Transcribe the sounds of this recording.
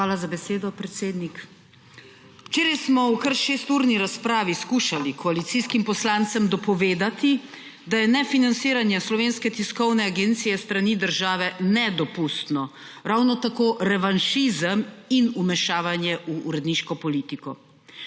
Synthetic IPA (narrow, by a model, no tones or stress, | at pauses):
xʋaːlazabɛseːd̪ɔpɾɛt̪seːd̪nik | wt͡ʃeːɾajsmɔwkəɾʃeːst̪uːɾniɾaspɾaːʋiskuʃalikʰɔalit̪siskimpɔslant̪səmd̪ɔpɔʋeːd̪at̪i | d̪ajɛnɛfinant̪siːɾanjɛslɔʋeːnskɛt̪iskɔwnɛaɡeːnt̪sijɛst̪ɾaniːd̪əɾʒaːʋɛnɛd̪ɔpust̪nɔ | ɾawnɔt̪akoːʔɾɛʋanʃizəminumɛʃaːʋanjɛʔuːɾɛd̪niːʃkɔpɔliːt̪ikɔ